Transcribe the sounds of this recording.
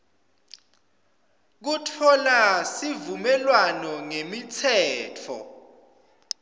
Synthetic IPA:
k̬utʰɔlasivumɛlwanɔŋemitʰɛːtʰɔ̰

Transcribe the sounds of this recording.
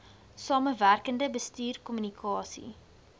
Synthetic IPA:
sɑːməværkəndəbəstyːrkɔmynikʰɑːsḭ

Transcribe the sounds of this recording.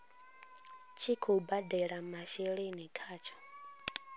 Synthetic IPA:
t͡ʃʰikʰɔbadɛɺamaʃɛɺenikʰaːt͡ʃʰɔ̥

